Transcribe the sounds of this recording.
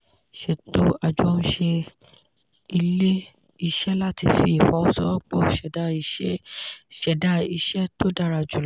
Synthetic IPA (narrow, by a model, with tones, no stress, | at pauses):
ʃe˨to˦a˨d͡ʒɔ˦˧ñ̩˦ʃe˧ | i˧le˦ | i˧ʃɛ˦la˦ti˧fi˧˦i˨fɔ̃˨˦ɔ˦sɔ˦ɔ˦k͡pɔ˦ʃɛ˨da˦i˧ɛ˦ʃɛ˨da˦i˧ʃɛ˦to˦da˧ɾa˨d͡ʒu˨l